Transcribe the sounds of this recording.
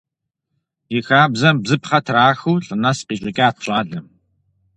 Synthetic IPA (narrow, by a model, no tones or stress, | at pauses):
jɪxaːbzɐmbzɨpχɐtʰraːxuːɬʼɨnɐsqiːɕʼɪkʲʼiaːtʰɕʼaːɮɐm